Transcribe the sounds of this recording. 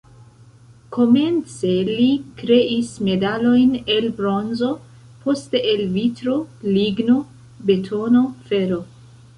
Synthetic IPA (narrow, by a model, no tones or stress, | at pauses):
kʰo̞me̞nt͡se̞likɾe̞ʔisme̞dalo̞jnelbɾo̞nzo̞ | pʰo̞ste̞ʔelvitɾo̞liɡno̞ | be̞tʰo̞no̞fe̞ɾo̞